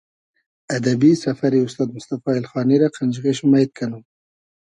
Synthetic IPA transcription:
ad̪abisafaɾiʊst̪ɑːd̪̚mʊst̪afɑɪlxɑniɾaqʰand͡ʒɣeʃʊmajt̪̚kʰanum

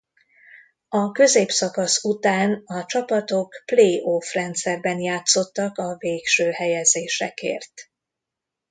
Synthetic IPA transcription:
ɒkø̞zeːpsɒkɒsut̪aːnɒt͡ʃɒpɒt̪o̞kpleːʔofrɛnt̪sɛrbɛnjaːt̪so̞t̪ːɒkɒveːkʃøːhɛjɛzeːʃɛkḛːrt̪

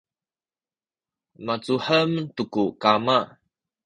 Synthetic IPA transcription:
mat͡suħəmtukukama

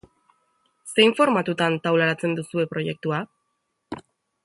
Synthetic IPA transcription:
se̞jɱfo̞ɾmat̪ut̪ant̪awlaɾat͡se̞nd̪usue̞pɾo̞je̞k̚t̪ua

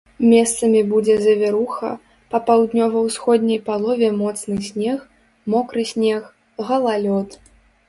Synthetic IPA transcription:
mʲɛst̪sɐmʲibud͡zʲɛzʲɐvʲɛɾuxɐ̰ | pɐpawd̪nʲɔvɐwsxɔd̪ʲnʲɐjpalˠɔvʲɛmɔt̪snɨsʲnʲɛx | mɔkɾɨsʲnʲɛx | ɣɐlˠalʲɔt̪

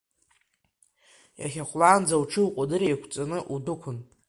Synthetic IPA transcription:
ja̰χʲaχʷlaːnd͡zawʈ͡ʂʰɨwqʷʼadɨɾejkʷʰt͡sʼanɨʔudʊkʷʰʊn

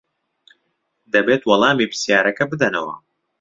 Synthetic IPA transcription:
d̪ɐbeːt̪wɐlˠɑːmiːpʰɨ̥sjaːɾɐkɐbɨd̪ɐnɐwɐ̰

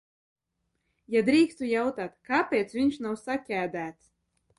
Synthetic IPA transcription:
jad̪ɾiːkst̪ujawt̪aːt̪kapʲeːt̪svʲiɲʃnawsakʲæːd̪æːt̪s

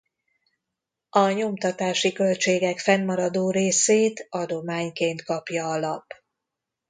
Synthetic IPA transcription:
ɒɲo̞mt̪ɒt̪aːʃikø̞lt͡ʃeːɡɛkfɛnːɒɾɒd̪oːɾeːseːt̪ɒd̪o̞maːɲkeːnt̪kɒpjɒɒlɒp

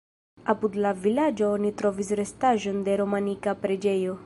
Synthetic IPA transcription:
apudlavilad͡ʒo̞onitɾo̞vis̬ɾe̞staʒo̞nde̞ɾo̞manikapɾe̞d͡ʒe̞jo̞

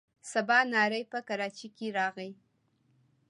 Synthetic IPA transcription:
sabɑnɑɾəjpəkaɾɑt͡ʃikeɾɑɣəj

